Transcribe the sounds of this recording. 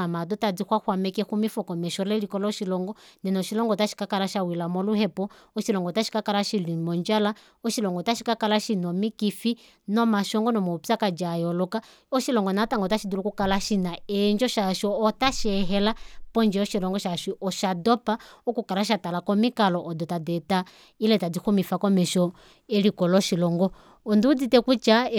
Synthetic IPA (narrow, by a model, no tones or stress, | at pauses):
amadɔtad͡zihwahwamɛkɛxumifɔkɔmɛʃɔlɛlikɔlɔʃilɔŋɡɔnɛnɔʃilɔŋɡɔtaʃi̥kakalaʃawilamɔluhɛpɔ | ɔʃilɔŋɡɔtaʃi̥kakalaʃilimɔnd͡ʒala | ɔʃilɔŋɡɔtaʃikakalaʃinɔmikifi | nɔmaʃɔŋɡɔnɔmɔpakad͡ʒajɔlɔka | ɔʃilɔŋɡɔnataŋɡɔtaʃidulukukalaʃinaɛnd͡ʒɔʃaʃɔːtaʃɛɦɛlapɔnd͡ʒɛɔʃilɔŋɡɔʃaʃiʔɔʃadɔpaɔkukalaʃ̬atalakɔmikalɔʔːdɔtadɛta | ilɛtadixumifakɔmɛʃɔ | ɛlikɔlɔʃilɔŋɡɔ | ɔndud͡zitɛkut͡ʃa